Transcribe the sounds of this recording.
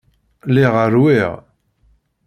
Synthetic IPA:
liʁəɾwiʁ

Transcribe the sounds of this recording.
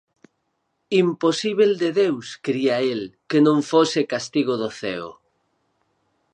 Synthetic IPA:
imposiβeld̪eðewskɾiaelkenõŋfosɪkast̪iɣ̞oðoθɛ̰o̰

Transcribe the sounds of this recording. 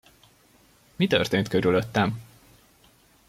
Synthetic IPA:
mit̪ø̞̰rt̪eːnt̪køɾyløt̪ːɛm

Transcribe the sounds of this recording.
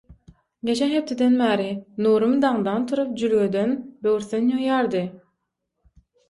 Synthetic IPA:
ɡʲe̞t͡ʃʰenhe̞p̚t̪ʰed̪enbæːɾinuːɾumd̪ɑŋd̪ɑnt̪ʰuɾup̚d͡ʒylɡød̪enbøwɾθynjojɑːɾd̪ɯ

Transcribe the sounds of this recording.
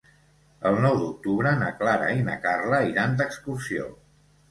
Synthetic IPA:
əlˠnɔwd̪uk̚t̪uβɾənəklaɾə̰inə̰karləiɾand̪əkskuɾsio̰

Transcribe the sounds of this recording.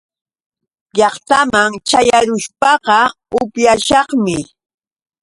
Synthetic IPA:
ʎɑχt̪amaŋt͡ʃajaɾʊʃpɑqɑ | ʊpjaʃɑχmɪ

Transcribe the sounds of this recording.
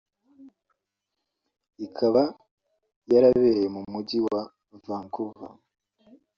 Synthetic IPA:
ikʰaβa | jaɾaβe̞jemumuɟiwa | vaːŋkuva̰

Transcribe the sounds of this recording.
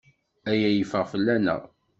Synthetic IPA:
æjæjəfəʁfəlːænə̰ʁ

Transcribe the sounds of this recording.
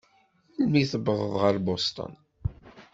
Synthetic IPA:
lmiθəbəðˤəðˤʁəɾbost̪ˤə̰n

